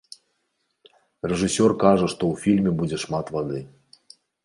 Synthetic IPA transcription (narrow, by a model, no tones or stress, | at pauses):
rɛʐɨsʲɔrkaʐɐʂt̪ɔwfʲilʲmʲɛbud͡zʲɛʂmat̪vad̪ɨ